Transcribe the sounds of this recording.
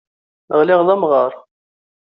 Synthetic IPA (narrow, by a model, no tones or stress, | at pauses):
ʁlɪʁðˤæmʁəɾˤ